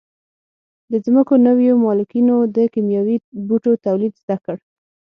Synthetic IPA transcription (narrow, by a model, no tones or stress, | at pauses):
d̪əzməkonəwjomɑlukinod̪əkimjɑwibuʈot̪awlid̪zd̪akəɽ